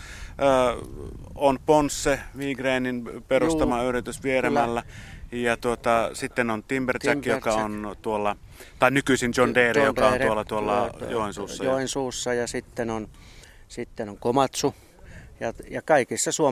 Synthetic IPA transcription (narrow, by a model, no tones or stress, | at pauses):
əː | onponsːeʋiːɡreːninperust̪ɑmɑyrit̪ysʋieɾemælːæjɑt̪uot̪ɑsit̪ːenont̪imbert͡ʃækːjokɑont̪uolːɑ | t̪ɑˑinykysint͡ʃondeːrijokɑonuolːɑt̪uolːɑjoˑensuːssːɑjoensuːsːɑjɑsit̪ːenon | sit̪ːenoŋkomɑt̪su | jɑjɑkɑikisːɑsuo